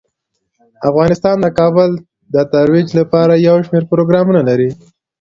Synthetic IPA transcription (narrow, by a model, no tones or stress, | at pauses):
afɣɑnɪst̪ɑnd̪əkɑbəl | d̪ət̪aɾwid͡ʒlapɑɾajawʃmeɾpɾoɡɾɑmunalaɾi